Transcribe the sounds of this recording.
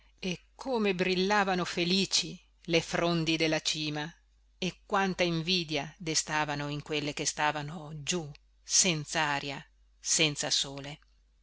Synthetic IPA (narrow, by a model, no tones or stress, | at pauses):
ekʰːoːmebɾilːaːvanofeliːt͡ʃi | lefɾond̪id̪elːat͡ʃiːma | ekːwant̪aiɱviːd̪jad̪est̪aːvanoiŋkwelːekest̪aːvanod͡ʒu | sɛnt̪saaːɾja | sɛnt̪sasoːle